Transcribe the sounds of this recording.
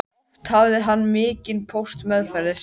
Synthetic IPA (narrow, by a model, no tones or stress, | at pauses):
t̪ʰavðɪɦanːmɪːcɪnpʰowst̪mɛðfaɾɪ